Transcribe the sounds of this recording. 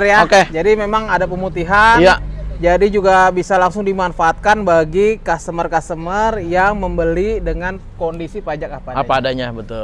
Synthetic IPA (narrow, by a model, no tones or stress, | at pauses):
rjaoked͡ʒadimemaŋadap̬əmut̪iɦanjad͡ʒadid͡ʒuɡabisalaŋsʊŋdimanfaːt̪̚kanbaɡikast̪əmərkast̪əmərjaŋməmbəlidəŋan | kondisipad͡ʒakapaapaːdaɲabət̪ʊl